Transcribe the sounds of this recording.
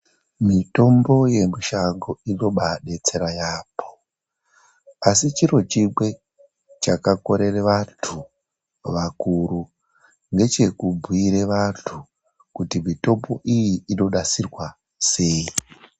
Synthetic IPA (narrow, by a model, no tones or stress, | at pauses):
mito̞mbo̞je̞miʃaŋɡoino̞ɓaɗe̞t͡se̞ɾajaːpʰo̞̥ | asit͡ʃirot͡ʃiɡwe̞ | t͡ʃakako̞ɾe̞reʋatʰu | ʋakuɾu | ŋɡe̞t͡ʃe̞kubʱwiɾe̞ʋatʰu | kutimito̞mbo̞ʔijiːno̞ɗasirwa | se̞i